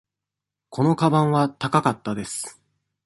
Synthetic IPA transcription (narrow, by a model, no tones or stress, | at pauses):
kʰo̞no̞kabãɰ̃βat̪akakat̪ːad̪e̞sɨ̥